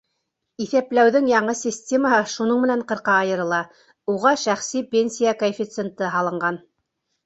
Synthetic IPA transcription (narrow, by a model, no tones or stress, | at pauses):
iθæplæwðɘŋjɑɴɤsʲɪsʲtʲe̞maɦɤʃunɤɴmɘ̆næɴqɤ̆ɾqɑːjɤ̆ɾɤ̆lˠɑ | uʁɑʃæχsipʲenʲsʲijakoefʲit̪sent̪ɤɦɑlˠɤ̆ɴɢɑn